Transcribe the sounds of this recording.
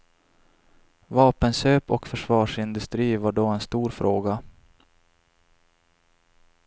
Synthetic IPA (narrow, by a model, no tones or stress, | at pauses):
vɑːpənɕøːpɔ̰kfœʂvɑːʂɪnd̪ɵst̪ɾiːvaɖɔɛnst̪uːɾfɾoːɡa